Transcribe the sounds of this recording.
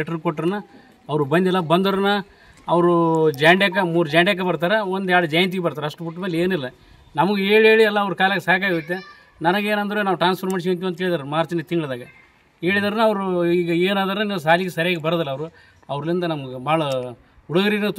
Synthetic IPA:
ʈɐɾkoʈːɐɾɐnːɐ | ɐʋɾubɐnd̪iɛlːɐbɐnd̪ɐɾɐnːɐ | ɐʋɐɾud͡ʒɐjɳɖjakːɐmuːɾud͡ʒɐjɳɖjak̬ːɐbɐɾt̪aːɾeond̪aːɽɐd͡ʒɐjɐnt̪̬iɡebɐɾt̪aɾɐʂʈupuʈːmeːleːnilːɐ | nɐmɐɡee̞ːɭe̞ːɭiɐlːɐːʋɐɾkaːlɐkesaːk̬aɡiut̪̬ːe̞ | nɐnɐɡe̞ːnɐnd̪ɐɾenaːʋʈɾaːnspɐɾmɐːɽʃijɐnt̪iuɐnt̪ukeːɭid̪aɾemaːɾt͡ʃinɐt̪iŋɡɐɭd̪aːɡɐ | e̞ːɭid̪aːɾenɐʋɐɾuiːɡɐeːnaːd̪aːɾeniːʋs̬aːliɡesɐɾɛjaːɡebɐɾɐd̪ɐlːɐʋɐɾu | ɐʋɾɐlind̪ɐnɐmɐɡebaːɭɐ | uɽuɡɐɾiɡinɐt̪

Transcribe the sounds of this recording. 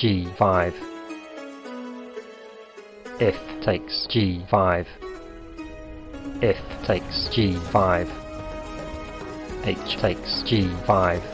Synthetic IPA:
d͡ʒiːfaɪv̥ | ɛftʰeɪksd͡ʒiːfaɪv̥ | ɛftʰeɪksd͡ʒiːfaɪv̥ | eɪt͡ʃtʰeɪksd͡ʒiːfaɪv̥

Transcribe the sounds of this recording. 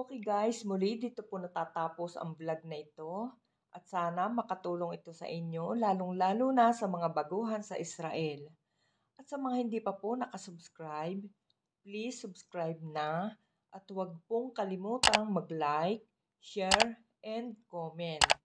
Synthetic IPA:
ʔokɪɡajsmʊlid̪iːt̪o̞ponɐt̪aːt̪aːpo̞sɐ̰ŋblaɡ̚nɐʔɪt̪o̞ | ʔɐt̪̚saːnɐmɐkɐt̪uːlo̞ŋɪt̪o̞sɐ̰ʔɪɲo̞laːloŋlaːluːnɐsɐmɐŋabɐɡuːɦɐnsɐʔɪsɾaʔɛl | ʔɐt̪sɐmɐŋahɪnd̪iːpɐponɐkɐsʊbskɹajb̚ | plisːʊbskɹajb̚nɐ | ʔɐt̪wɐɡ̚poŋkɐlɪmuːt̪ɐŋmɐɡlajk̚ | ʃɛɹ | ʔɛnd̪̚komɛnt̪̚

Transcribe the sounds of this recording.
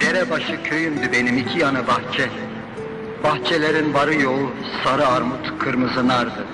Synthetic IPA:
d̪̥eɾɛbaʃɯcʰø̞jymd̪ybe̞nimicʰijanɯbaxt͡ʃʰɛ | baxt͡ʃʰelʲeɾinbaɾɯjo̞lˠu | saɾɯaɾmut̪kʰɯɾmɯzɯnaɾd̪ɯ

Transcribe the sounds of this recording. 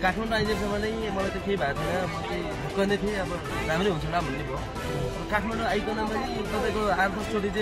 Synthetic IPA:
kaʈʰmaɳɖoajnʌsʌmanʌj̃ | mʌlajt͡sʌ̃kejbʱaet̪ʰʌnʌbʌt͡sʌj̃bʱukːanet̪ʰeʌbʌ | ramɾeɦunt͡sʰʌɽabʱʌnːebo | rʌkaʈʰmaɳɖoajkonama | t̪ʌpaj̃koart̪ʰʌt͡sʰoʈit͡sã

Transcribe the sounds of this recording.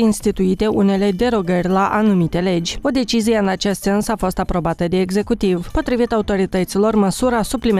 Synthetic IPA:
inst̪it̪uit̪e̞ʔune̞le̞d̪e̞ɾo̞ɡərʲlaʔanumit̪e̞le̞d͡ʒʲo̞d̪e̞t͡ʃizije̞ɨnat͡ʃe̞st̪se̞nsafo̞st̪apɾo̞bat̪əd̪e̞ːɡze̞kut̪ivpo̞t̪ɾivit̪aut̪o̞ɾit̪ət̪silo̞rməsuɾasuplim

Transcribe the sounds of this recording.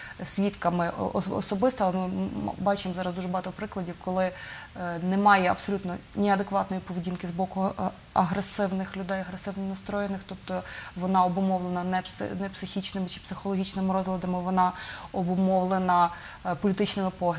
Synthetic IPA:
sʲʋʲit̪kɐmɪɔ̰ɔ̰sɔbɪst̪ɔlˠmɪbɑt͡ʃemzɑɾɐzd̪uʒɛbɔɦɑt̪ɔpɾɪklˠɐdʲiwkɔlˠɪ | nɛmɑjɛɐ̰psɔlʲut̪nɔnʲiɐd̪ekʋɑt̪nɔjipɔʋedʲinkɪzbɔkʊ | ɐɦɾesɪwnɪxlʲʊd̪ɛjɐɦɾesɪwnɔnɐst̪ɾɔjenɪxt̪up̚t̪ɔʋɔnɑɔbʊmɔʋlˠenɐnɛpsnɛpsɪxʲit͡ʃnɪmɪt͡ʃɪ̥psɪxɔlˠɔɦʲit͡ʃnɪmɪɾɔzɦlʲˠɐd̪ɐmɪʋɔnɑɔbʊmɔʋlˠenɐ | pɔlʲit̪ɪt͡ʃnɪmɪpɔɦʲ

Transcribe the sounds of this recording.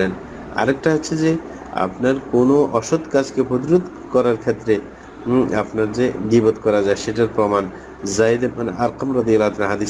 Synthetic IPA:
len | a̰ɾɛk̚ʈaɦotːɕʰed͡ʑe | a̰pnaɾkonoʔɔʃod̪kad͡ʑkepɾod̪iɾod̪ | kɔɾaɾkʰet̪ːɾe | apnaɾd͡ʑed̪ibot̪kɔɾad͡ʑaeʃeʈaɾpɾoman | zajd̪ebanaɾqamɾɔd̪ijalat̪ʰanaɦad̪i

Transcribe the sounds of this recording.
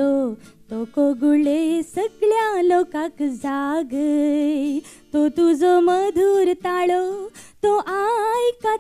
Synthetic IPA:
o | t̪okoɡuɭesəɡɭjalokakd͡zaɡə | t̪ot̪ud͡zoməd̪ʱuːɾt̪aɭot̪oʔajka

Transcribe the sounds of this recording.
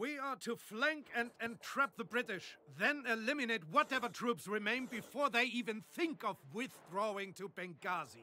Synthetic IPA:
wiə˞ɾʰɨflæ̃ŋkɨ̃nɨ̃ntʰɹ̥ɛp̚ðəbɹɪɾɪʃðɨ̃nɪlɪmɨneɪt̚wʌɾɛvə˞tʰɹ̥ʉpsɹɨmẽɪ̃nbɨfɔɹðeɪivɨ̃nθɪ̃ŋkʌvwɪð̥ɹoʊɪ̃ŋtʰɨbɛ̃ŋɡɑzi

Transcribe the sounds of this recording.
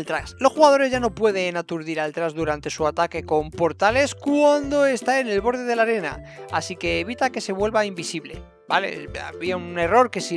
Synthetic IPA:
lt̪ɾaslo̞sxuɣaðo̞ɾe̞zʝano̞pwe̞ð̞e̞nat̪uɾðiɾalt̪ɾazðuɾant̪e̞suat̪ake̞ko̞mpo̞ɾt̪ale̞skwand̪o̞e̞st̪ae̞ne̞lβo̞ɾð̞e̞ðe̞laɾe̞na̰ | asike̞ːβ̞it̪ake̞se̞β̞we̞lβaimbisiβle̞̰ | bale̞̰a̰βiaune̞ro̞ɾke̞si

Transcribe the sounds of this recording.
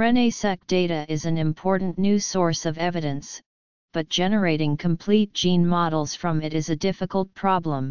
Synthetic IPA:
ɹɛ̃neɪsɛk̚d̥eɪɾɨʔɪzɨ̃nɨ̃mpʰɔɹʔn̩nʉsɔɹsʌvɛvɨɾɨ̃ns | b̥ʌt̚d̥ʒ̥ɛnə˞eɪɾɪ̃ŋkʰə̃mpʰl̥it̚d̥ʒ̥ĩnmɑɾl̩ˠz̥fɹʌ̃mɨɾɨzɨdɪfɨkl̩ˠt̚pʰɹ̥ɑblə̃m

